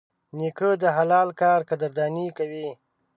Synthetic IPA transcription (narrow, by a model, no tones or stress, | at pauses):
nikəd̪əɦalɑlkɑːɾkad̪aɾd̪ɑnikawi